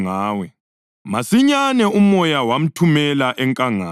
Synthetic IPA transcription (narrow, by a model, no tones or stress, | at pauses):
ŋaːwɛ | masiɲanɛumɔjawam̩tʰumɛlaʔɛŋkʼaŋaː